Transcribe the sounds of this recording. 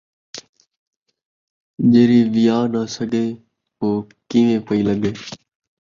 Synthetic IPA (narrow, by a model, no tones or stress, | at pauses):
d͡ʒeːɾiːʋɪjaːnaːsəɡʱeː | poː | kiʋẽːpəiːləɠʱeː